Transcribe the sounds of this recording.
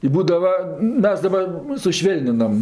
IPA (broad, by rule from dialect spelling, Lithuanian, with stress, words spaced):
ɪ ˈbuːdɐʋɐ ˈmʲɛs dɐˈbɐr sʊˈʃʲʋʲeːlʲnʲɪnɐm